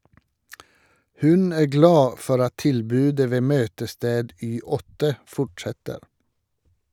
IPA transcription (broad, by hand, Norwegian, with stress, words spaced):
ˈhʉn ˈæː ˈɡlɑː ˈfɔɾ ˈɑt ˈtɪlbʉːdə ˈʋeː ˈmøːtəˌsteːd ˈyː ˈɔtə ˈfɔʈʃɛtəɾ